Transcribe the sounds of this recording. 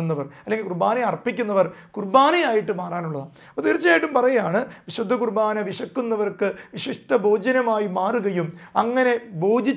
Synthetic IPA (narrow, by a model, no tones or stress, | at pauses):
nːɐʋɐrɐlːe̞ŋɡilkurbaːnijɐrpːikʲːunːɐʋɐrkurbaːnijaːjiʈːɨmaːraːnuɭːɐðaː | ot̪iɾit͡ɕːɐaːjiʈːumpɐrɐjujaːɳɨʋiɕud̪ʱːɐkurbaːnɐʋiɕɐkːunːɐʋɐrkɨʋiɕiʂʈɐbʱo̞ːd͡ʑɐnɐmaːjimaːruɣɐjumɐŋːɐne̞bo̞ːd͡ʑʱit͡ɕː